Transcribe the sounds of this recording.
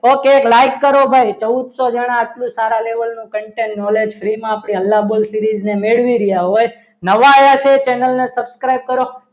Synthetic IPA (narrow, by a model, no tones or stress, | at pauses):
okeklajkːəɾobʱajt͡ʃəud̪sod͡ʒəɽ̃ãːʈlũsaɾãleʋəlnũkəɳʈenːɔled͡ʒfɾimãːpɳ̃iəlːabolsiɾid͡ʒnemeɭʋiɾijaɦoj | nəʋajat͡ʃʰet͡ʃenəlnesəbskɾajb̚kəɾo